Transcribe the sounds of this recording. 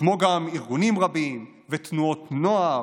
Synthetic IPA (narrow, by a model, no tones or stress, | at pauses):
mo̞ɡamiʁɡunimʁabim | vet̪nuo̞t̪no̞a